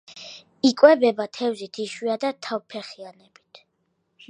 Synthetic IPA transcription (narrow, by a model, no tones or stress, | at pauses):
ikʼwɛbɛbat̪ʰɛvzit̪ʰiʃwiad̪at̪ʰawpʰɛχianɛbit̪ʰ